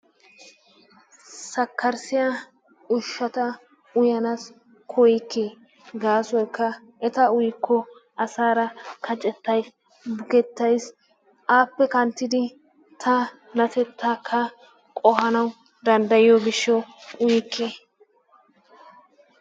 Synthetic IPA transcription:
sɐkːɐɾsɪjaː | ʊʃːɐt̪ɐ | ʊjɐnas | kʰɔjɪkːeː | ɡaːsɔjkːɐ | ʔɛt̪ɐʊjkʰːɔʔɐsaːɾɐkʰɐt͡ʃʼɛt̪ːɐjs | bʊɡɛt̪ːɐjs | ʔaːpːɛkɐnt̪ːɪd̪ɪ | t̪ʰɐ | nɐt̪ɛt̪ʰːaːkʰːɐ | kʼɔhɐnɐw | d̪ɐnd̪ɐjɪjɔɡɪʃːɛwʊjɪkʰːe

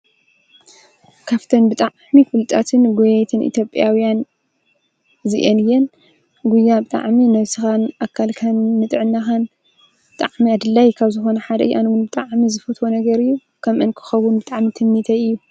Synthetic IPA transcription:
kʰaft̪ʰɐnbɨt̪ʼaʕmifɨlt̪ʼat̪ʰɨnɡojɛjt̪ʰɨnʔḭt̪ʰjo̞pʼjawjan | ziʔɛnɨjɛn | ɡujːabɨt̪ʼa̰ʕminɐβsɨxanʔakʰːalkʰanːɨt̪ʼɨʕɨnːaxan | b̥ɨt̪ʼa̰ʕmiad̪ɨlːajkʰaβzɨxo̞nɐħad̪ɐ̰ʔɨjʔa̰nwunbɨt̪ʼaʕmizɨfɐt̪ʰwonɐɡɐɾɨjːu | kʰɐmʔɨnkʰɨ̥xɐwʊnbɨt̪ʼaʕmit̪ʰɨmːit̪ʰɐɨjːu

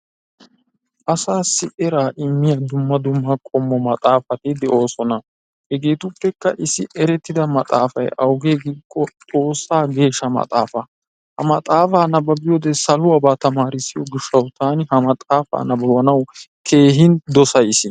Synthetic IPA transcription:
ʔɐsaːsɪʔɛɾaːʔɪmːɪjɐd̪ʊmːɐd̪ʊmːɐkʼɔmːɔmɐt̪ʼaːfɐt̪ɪd̪ɛʔo̞ːsɔnɐ | hɛɡe̞ːt̪ʊpːɛkːɐʔɪsɪʔɛɾɛt̪ːɪd̪ɐmɐt̪ʼa̰ːfɐ̰jʔɐwɡeːɡiːkʼːɔtʼo̞ːsːaːɡe̞ːʃːɐmɐ̰t̪ʼa̰ːfɐ | hɐ̰mɐt̪ʼaːfaːnɐbɐbɪjɔd̪ɛsɐlʊɐbaːt̪ɐmaːɾɪsːɪjɔɡɪʃːɐwt̪aːnɪhɐmɐt̪ʼaːfa̰ːnɐbɐwɐnɐwkʰe̞ːɦɪnd̪ɔsɐjsɪ

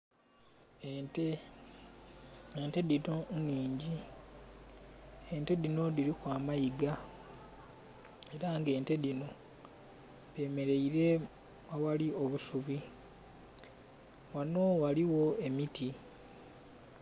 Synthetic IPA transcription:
te | eːnte̞dinoniːɲɟi | ente̞ðino̞diɾikwaːmajiɡa | e̞ɾaŋɡe̞ːnte̞ðino̞ | de̞ːme̞ɾe̞iɾe̞ | awalio̞βusuβi | wano̞waliwo̞e̞miti

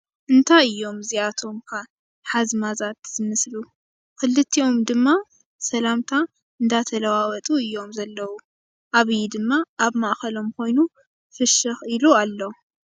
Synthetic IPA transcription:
ʔɨnt̪ʰajɨjːo̞mziat̪ʰo̞mkʰa | ħazmazat̪z̥ɨmɨslu | kʰɨlːɨt̪ʰːio̞md̪ɨmːa | sɐlamt̪ʰa | ɨnd̪at̪ʰɐlɐwawɐt̪ʼuɨjːo̞mzɐlːɐwu | ʔaβɨjid̪ɨmːaʔːβmaʔkɐlo̞mkʰo̞jnu | fɨʃɨxilualːɐwu

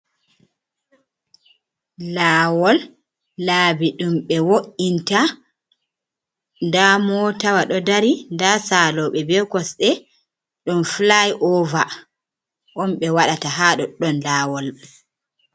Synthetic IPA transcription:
laːwɔlː | aːbiɗumɓɛwoʔinta | ndamɔːtawaɗɔdaɾindasaːlɔɓɛbɛkɔsɗɛ | ɗumflajʔɔva | ʔɔmɓɛwaɗataɦaɗɔɗɔnlaːwɔl

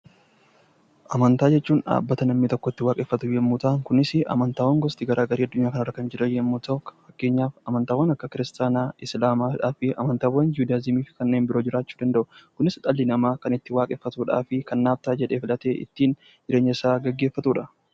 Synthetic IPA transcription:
ʔɐmɐnt̪aːd͡ʒɛt͡ʃːuːnᶑa̰ːbːɐt̪ɐnɐmːiːt̪ɔkːɔɪt̪ːɪwaːkʼɛfːɐt̪ʊjɛmːut̪aːŋkʊnɪsɪɐ̰mɐnt̪aːwːɐŋɡɔst̪ɪɡɐɾʔaːɡɐɾiːɐd̪ːʊɲːaːkɐnɐrɐkɐnd͡ʒɪɾɐjɛmːut̪ɐʊfɐkːe̞ːɲːaːfɐmɐnt̪aːwːɐnɐkːɐkɪɾɪst̪aːnaːɪslaːmaːᶑaːfɪɐ̰mɐnt̪aːwːɐnd͡ʒuːd̪azɪmiːfɪ̥kɐnːe̞ːnbɪɾo̞ːd͡ʒɪɾaːt͡ʃːuːd̪ɐnd̪ɐʔʊkʊnɪst̪ʼɐlːɪnɐmaːkɐnɪt̪ːɪwaːkʼɛːfːɐt̪uːᶑa̰ːfɪkɐnːaːb̚t̪aːd͡ʒɛᶑe̞ːfɪlɐt̪eːʔɪ̰t̪ːiːn | d͡ʒɪɾeːɲːɐɪsaːɡɐɡːe̞ːfːɐt̪uːᶑɐ

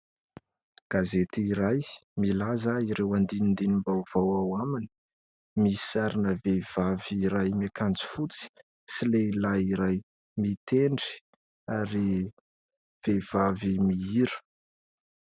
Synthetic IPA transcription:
ɡ̥azet̪iɾajmilazaiɾewand̪inind̪inimbawv̥awawamini̥ | misi̥saɾinəvev̥aviːɾajmakʰand͡zi̥fut͡si̥ | silelaiɾaj | mit̪eɳɖ͡ʐi̥ | aɾi | v̥ev̥avimiiɾə̥

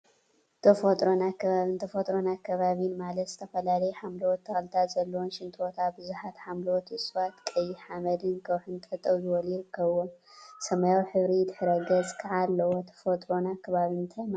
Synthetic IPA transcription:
t̪ʰɐfot̪ʼɾonakʰːɐβaβɨnt̪ʰɐfot̪ʼɾonakʰːɐβaβinmalɐt̪z̥ɨt̪ʰɐfɐlalɐjħamlwot̪ʰːɐxɐlt̪ʰazɐlːowonʃɪnt̪ʼot̪ʰabɨzuħat̪ħamlwot̪ɨsʼwat̪kʼɐjːɪħamɐlɨnkʰɐwħɨnt̪ʼɐt̪ʼɐwzɨwɔljɪɾɨkːɐβomsɐmajawħɨβɾit̪ʰɨħɨɾɐɡɐt͡sʼkʰɨʕalːɐwot̪ʰɐ̥fot̪ʼɾo̞nakʰːɐβaβint̪ʰajm

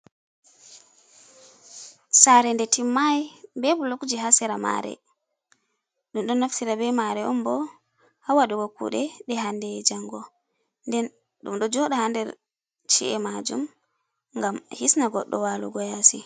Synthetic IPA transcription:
saɾɛndɛtimːajbɛbulokd͡ʒiɦasɛɾama̰ɾɛ̰ | ɗumɗɔnːaftiɾabɛmaɾɛɔmbɔ | hawaɗuɡɔkṵɗɛɗɛɦandɛd͡ʒaŋɡɔ | ndɛn | ɗumɗɔd͡ʒɔɗahandɛɾ | t͡ʃḭʔɛmad͡ʒṵm | ŋɡamhisnaɡɔɗːɔ̰waːlṵɡɔjasi

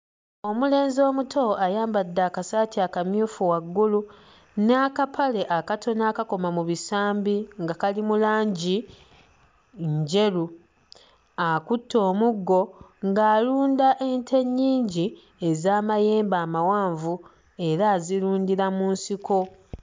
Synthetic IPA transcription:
o̞mule̞ːnzo̞ːmutʰo̞ajaːmbadːaːkasaːtiakamjuːfuwaɡːulu | nakapʰale̞ʔakatʰo̞naːkako̞mamuβisaːmbiŋɡakalimulaːɲɟi | ɲɲɟe̞ɾu | akutʰːo̞ːmuɡːo̞ŋɡaːluːndaʔentʰe̞ɲːiːɲɟi | e̞zaːmajeːmbaːmawaːɱvu | e̞ɾaːziɾuːndiɾamuːnsikʰo̞

